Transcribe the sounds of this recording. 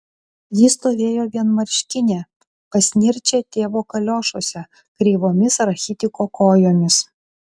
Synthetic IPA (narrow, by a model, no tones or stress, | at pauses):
jɪst̪oːʋʲeːjoːʋʲiɛnmɐɾʲʃʲkʲɪnʲeː | pɐsʲnʲɪɾʲt͡ʃʲet̪ʲeːʋokɐlʲoːʃosʲɛ | kɾʲiːɪʋoːmʲɪsɾɐxʲɪt̪ʲɪkoːkoːjoːmʲɪs